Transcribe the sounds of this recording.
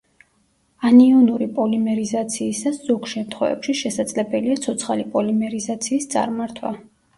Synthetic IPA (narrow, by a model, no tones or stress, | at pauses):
aniunuɾipʼɔlimɛɾizat̪sʰiːsasz̥ɔɡʃɛmt̪ʰχwɛ̰vɛ̰pʃiʃɛsad̪zlɛbɛliat̪sʰɔt̪sʰχalipʼɔlimɛɾizat̪sʰiːst̪sʼa̰ɾmaɾt̪ʰwa̰